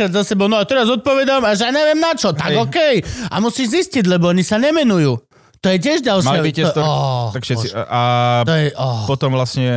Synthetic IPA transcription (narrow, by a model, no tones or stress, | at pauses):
ɾad̪zasɛbɔʊnɔat̪ɛɾazɔt̪̚pɔʋɛd̪amaʒɛjaɲɛʋɪɛmnat͡ʃɔt̪aɡɔkɛja̰musiːʒzisciɟlɛbɔɔɲisaɲɛmɛnujuː | t̪ɔjɛc̬ɪɛʒɟalʃalibiɛt̪ɔɔt̪akʃɛt͡siat̪ɔjɛʔɔpɔt̪ɔmʋlasɲɛ